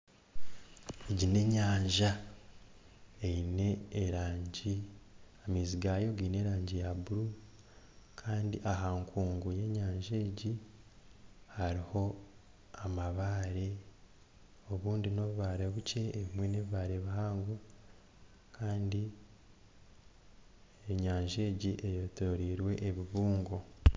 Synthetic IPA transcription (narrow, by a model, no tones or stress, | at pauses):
eɟine̞ɲaːɲʒa | ejine̞ːɾaːɲɟiamiːziɡajo̞ɡiːne̞ɾaːɲɟijabuɾu | kʰaːndiʔaɦaːŋkʰuːŋɡuje̞ɲaːɲʒeːɟi | haɾiho̞ | amaβaːɾe̞ | o̞βuːndino̞βuβaːɾe̞βuce̞ːβimwe̞neβiβaːɾeβahaːŋɡo | kʰaːndi | eɲaːɲʒe̞ːɟiʔejotoɾiːɾwe̞ʔːβiβuːŋɡo